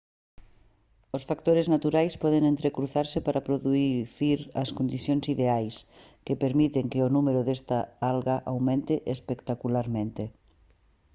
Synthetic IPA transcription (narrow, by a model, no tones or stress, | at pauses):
osfakt̪oɾeznat̪uɾajspɔð̞eŋẽnt̪ɾekɾuθaɾsɪpaɾʔapɾoðuθiɾɐskond̪iθjoŋsiðeajs | kepeɾmit̪eŋkeonumeɾoðest̪aalɣaʔawmẽnt̪eʔespekt̪akulaɾmẽnt̪e